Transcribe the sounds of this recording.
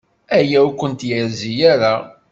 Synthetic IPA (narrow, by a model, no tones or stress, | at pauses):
æjæukʷːənt̪jəɾzijaɾa